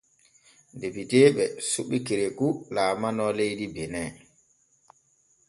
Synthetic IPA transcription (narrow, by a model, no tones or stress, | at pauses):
ndebiteːɓɛsuɓikiɾekulaːmanɔlejdibɛnɛ